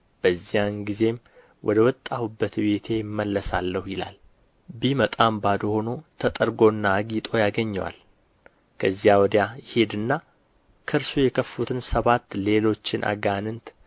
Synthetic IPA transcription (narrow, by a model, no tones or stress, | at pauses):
b̥əzːijanɡize̞m | wʔɔ̰d̪əwɔt̪ʼːahubːət̪be̞t̪ʰe̞jɪmːəlːəsalːəhujɪla̰l | bimət̪ʼambad̪oho̞no̞t̪ʰət̪ʼəɾɡo̞nːaːɡit̪ʼo̞jaɡəɲːəwa̰l | kʰəzːijawɔd̪jajɪhe̞d̪ɨnːa | kʰɨɾsujɛkʰəfːut̪ʰɨnsəβat̪ːle̞lo̞t͡ʃːɪnʔa̰ɡanɨnt̪